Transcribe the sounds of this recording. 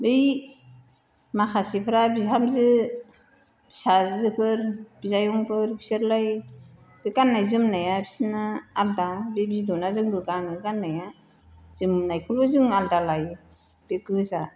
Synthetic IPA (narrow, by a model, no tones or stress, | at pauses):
bej | maxʰasipʰɯɾabizamzɯ | b̥isazɯpʰɯɾb̥izajɔŋpʰɯɾbisɯɾlaj | b̥eɡanːajzɯmnajabi̥sinɯaldabebizdɔwnazɯŋbɯɡanɯɡanːaja | z̥ɯmnajkʰɯlbɯzɯŋaldalaj | b̥ekɯza